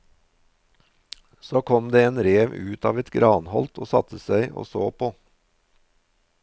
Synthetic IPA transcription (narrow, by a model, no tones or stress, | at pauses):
soːkʰɔmd̪eːeːnɾeːʋʉːt̪ɑːʋɛt̪ɡɾɑːnhɔlt̪ʰo̰ːsɑ̰t̪ʰəsæɪʔo̰ːso̰ːpʰoː